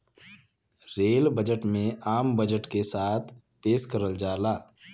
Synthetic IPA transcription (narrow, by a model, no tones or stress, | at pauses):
ɾeːlbəd͡ʒəʈmẽaːmbəd͡ʒəʈkesaːt̪ʰ | peːʃkəɾəld͡ʒaːlaː